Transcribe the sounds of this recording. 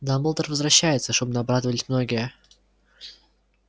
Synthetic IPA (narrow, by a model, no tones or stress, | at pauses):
d̪aməlˠt̪ərvəzvɾɐɕːæjɪt̪səʂt̪obnɐbɾad̪əvəlʲɪsʲmno̞ɡʲɪjə